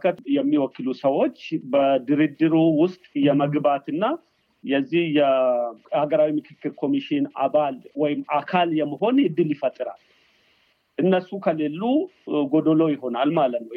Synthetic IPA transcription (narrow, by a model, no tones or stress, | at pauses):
kʰət̪jɛmːiwɔkːɨlusəwo̞t͡ʃːbəd̪ɨɾid̪ɨɾuwʊst̪ʼjɛməɡbat̪ɨnːa | jɛzːihjɛhaɡəɾawimɨkʰɨkːɨɾkʰo̞miʃɪna̰βalwɔjɪmakʰaljɛmːəɦo̞njɪd̪ːɨljɪfət̪ʼːɨɾa̰l | ʔɨnːəsːukʰəle̞lːuɡo̞d̪olo̞jɪɦo̞nalmalət̪nəw